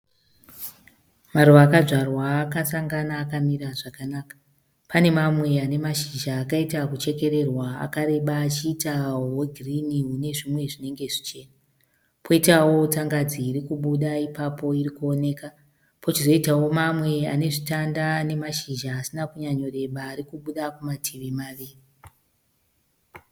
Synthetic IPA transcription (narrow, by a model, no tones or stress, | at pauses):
maruʋaːkaʐarwaːkasaŋɡanaːkamiɾaʐakanaːkḁ | pane̞mamwe̞ane̞maʃiʒaːkaitakut͡ʃe̞ke̞ɾe̞rwaa̰kaɾe̞ɓaːt͡ʃiːtaɦoɡʱiriniɦune̞ʐimwe̞ʐine̞ŋɡe̞ʐit͡ʃe̞ːna | poitawo̞t͡saŋɡad͡ziːɾikuɓuɗaipapo̞iɾikuone̞ːka | po̞t͡ʃizo̞itawo̞mamwe̞ane̞ʐitandane̞maʃiʒaːsinakuɲaɲo̞ɾe̞ɓaːɾikuɓuɗakumatʰiʋimaʋiːri